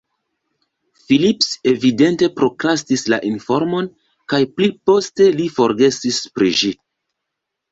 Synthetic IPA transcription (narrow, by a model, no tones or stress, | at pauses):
filipse̞vide̞nte̞pɾo̞kɾastislaʔinfo̞ɾmo̞n | kajplipo̞ste̞lifo̞ɾɡe̞sispɾiʒi